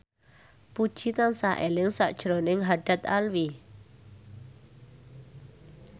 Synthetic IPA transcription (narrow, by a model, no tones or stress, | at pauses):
pud̥ʒ̥it̪ansaʔelɪŋsa̰ʔd̥ʒ̥ɾonɪŋɦaɖ̥a̤t̪a̰lwi